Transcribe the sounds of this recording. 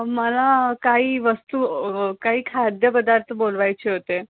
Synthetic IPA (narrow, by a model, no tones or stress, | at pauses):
məlakaɦiːʋəst̪uːkaɦiːkʰad̪jəpəd̪aɾt̪ʰəbolʋajt͡ɕeɦot̪e